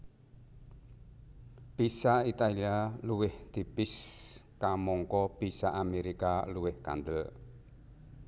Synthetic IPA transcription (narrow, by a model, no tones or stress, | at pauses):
pisait̪alialuwɪhd̪̥i̤pɪskamɔŋkɔb̥isaʔameɾikaluwɪhka̰nd̪əl